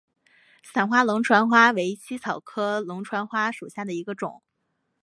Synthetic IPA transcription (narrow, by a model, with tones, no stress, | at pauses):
sa˨˩nxwa˥lʊ˧˥ŋʈ͡ʂʰwa˧˥nxwa˥we˧˥ɪt͡ɕʰi˥t͡sʰɑ˨˩ʊkʰɤ˥lʊ˧˥ŋʈ͡ʂʰwa˧˥nxwa˥ʂu˨˩ɕja˥˩d̪ə˩i˧˥ɡə˧ʈ͡ʂʊ̰˨˩˦ŋ